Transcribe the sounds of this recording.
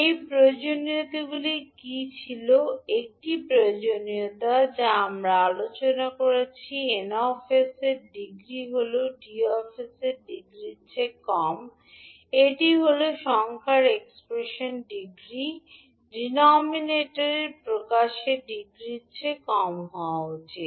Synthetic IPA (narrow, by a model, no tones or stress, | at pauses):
ejpɾood͡ʑoniot̪iɡulikit͡ɕʰiloek̚ʈipɾood͡ʑoniot̪ad͡ʑaamɾaalot͡ɕonakoɾet͡ɕʰienaɔfeseɾɖiɡɾiɦoloɖiɔfeseɾɖiɡɾit͡ɕʰekɔm | eʈiɦoloʃɔŋkʰaɾekspɾeʃonɖiɡɾi | ɖinɔmineʈoɾeɾpɾokaʃeɖiɡɾit͡ɕʰekɔmɦɔaot͡ɕʰe